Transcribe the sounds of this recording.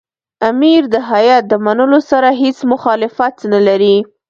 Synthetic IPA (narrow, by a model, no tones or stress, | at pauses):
amiɾd̪əɦajɑt̪̚d̪əmanəlosaɾaɦet͡smʊxɑlɪfat̪nalaɾi